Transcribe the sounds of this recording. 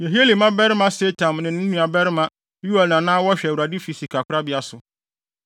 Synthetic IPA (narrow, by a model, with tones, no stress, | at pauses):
je˨ɦi˦e˦li˨mã˦bɛ˦ɾɪ˦mã˦se˦tʰã˨mnɪ̃˨nɪ̃˦nũ˦a˨bɛ˦ɾɪ˦mã˦ | ju˦ɛ˨lnã˨nãː˦wɔ˦ɕᶣɛ˨wu˨ɾa˨dɪ˦fi˨si˨kʰa˨kʰʷʊ˦ɾa˦bɪ˨˦a˨sʊ˨